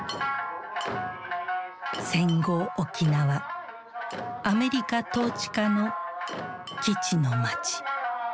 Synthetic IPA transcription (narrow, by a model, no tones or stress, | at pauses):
sẽ̞ŋɡo̞ːkʲinaβa | ame̞ɾʲikat̪o̞ːt͡ɕi̥kano̞ | kʲit͡ɕino̞mat͡ɕi̥